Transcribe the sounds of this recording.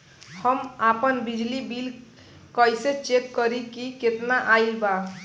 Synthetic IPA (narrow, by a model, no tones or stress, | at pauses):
həmapənbid͡ʒlibil | kəjset͡ʃekːəɾikiket̪naʔajlba